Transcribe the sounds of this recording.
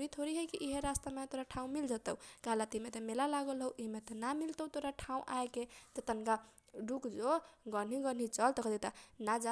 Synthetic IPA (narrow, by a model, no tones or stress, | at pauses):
ɾit̪ʰoɾiɦəkiʔiɦeɾast̪amet̪oɾaʈʰaũmild͡ʒat̪əukaɦlat̪imet̪ɔmelalaɡəlɦəwʔiɦmet̪ɔnamilt̪əwt̪oɾaʈʰaũʔa̰eket̪ət̪ənka | ɖukd͡ʒoɡən̤iɡən̤it͡ʃəlt̪ɔkəd̪it̪ənad͡ʒa